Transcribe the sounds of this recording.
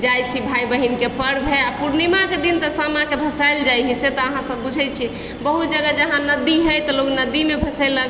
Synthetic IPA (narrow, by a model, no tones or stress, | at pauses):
d͡ʒajt͡ʃʰibʱaibəɦinkepəɽbʱeapuɾnimaked̪int̪əsamãkebʱəsajld͡ʒajɦiset̪ɔəɦãsəbːud͡ʒʱɛt͡ʃʰi | bəɦut̪d͡ʒəɡəd͡ʒəɦãnəd̪iɦəjt̪əloknəd̪imebʱəsəɪlːəɡ